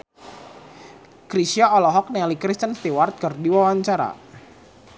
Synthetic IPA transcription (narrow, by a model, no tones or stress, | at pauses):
kɾisiaɔlɔɦɔk̚nɛlikɾist̪ənst̪iwart̪̚kərdiwawaɲt͡ʃaɾa̰